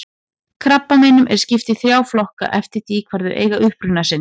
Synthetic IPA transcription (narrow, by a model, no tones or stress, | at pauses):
kʰɾapːamɛːnʏmʔɛ̰ɾ̥scɪft̪ɪθɾjaːwflɔhka̰ʔɛft̪ɪ̥t̪iːkʰvaɾðʏ̰ɾʔḛːjɣaʔʏhpɾʏnasɪn